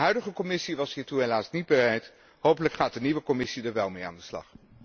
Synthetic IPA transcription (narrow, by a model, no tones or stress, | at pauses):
ɦœɥdəχəkɔmɪsiʋɑsɦiːɹtuɦelaːsnid̚bərɛjt | howpələkχaːt̚dəniʋəkɔmɪsidəɹʋɛlˠmeja̰ːndəslɑ̰χ